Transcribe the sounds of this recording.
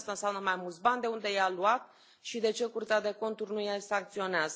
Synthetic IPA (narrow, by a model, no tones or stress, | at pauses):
st̪anseamnəmajmult̪sbanʲd̪e̞und̪e̞jaluat̪̚ | ʃid̪e̞t͡ʃe̞kurt̪ead̪e̞ko̞nt̪urʲnujasaŋk̚t̪sio̞neazə